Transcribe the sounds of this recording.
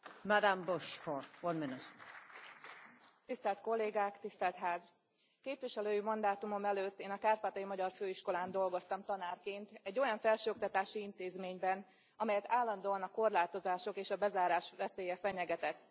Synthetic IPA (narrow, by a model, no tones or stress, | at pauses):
mad̪amboʃkʰowɔnmɪnut̪ | t̪ist̪ɛlt̪ko̞lːeːɡaːkt̪ist̪ɛlt̪ɦaːz | keːpʋiʃɛløːjimɒnd̪aːt̪umo̞mɛløːt̪ːeːnɒkaːrpaːt̪ɒjimɒɟɒrføːiʃko̞laːnd̪o̞lɡo̞st̪ɒmt̪ɒnaːrkeːnt̪ɛɟːo̞jɒɱfɛlʃøːokt̪ɒt̪aːʃiint̪eːzmeːɲbɛn | ɒmɛjɛt̪aːlːɒnd̪oːɒnɒko̞rlaːt̪o̞zaːʃo̞keːʃɒbɛzaːɾaːʃʋɛseːjɛfɛɲɛɡɛt̪ɛt̪ː